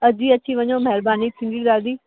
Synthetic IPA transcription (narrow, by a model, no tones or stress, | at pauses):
əd͡ʒiːətːʃʰiːʋəɲoːmɛɾbaːniːt̪ʰɪ̃ŋɡiːɾaːɾd̪iː